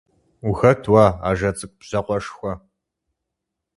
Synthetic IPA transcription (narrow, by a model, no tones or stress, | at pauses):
uxɐtʰwaːa̰ːʒɐt͡sʼɨk̚ʷʼpʑ̥ɐqʷɔʂxʷɔ